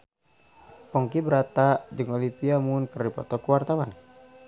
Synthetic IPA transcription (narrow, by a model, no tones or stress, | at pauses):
pɔŋkibəɾat̪ad͡ʒɨŋɔlimpiamunkɨrdipɔ̰t̪ɔkuwart̪awan